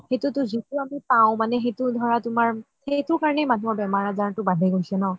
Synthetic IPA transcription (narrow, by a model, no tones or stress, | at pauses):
xetutʊzituamipaʊ̃manɛxetʊdʱɔɹatʊmaɹ | etʊɹkaɹɔnɛjmanuɔɹbɛmaɹazatʊbadʱɛɡojsɛnɔ